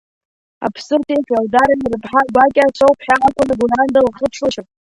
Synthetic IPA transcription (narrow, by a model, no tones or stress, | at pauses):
a̰pʰsɨrtʰʼejkʼaldaɾanirɨpʰħaɡʷakʲʼat͡ʃʷʰowpʰħaakʷʼʊnaɡurandalχəpʰʂʰlaʃɪpʼ